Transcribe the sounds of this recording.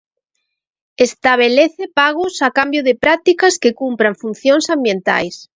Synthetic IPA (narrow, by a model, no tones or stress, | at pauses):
est̪aβ̞eleθepaɣʊsakambjʊðɪpɾat̪ikaskɪkumpɾaŋfun̟θjoŋsambjent̪a̰js